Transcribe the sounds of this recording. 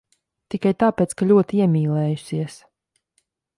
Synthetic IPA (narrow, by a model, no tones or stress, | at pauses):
t̪ikajt̪aːpɛːt̪skaʎʲuɔt̪iiɛmʲiːlˠɛːjusiɛs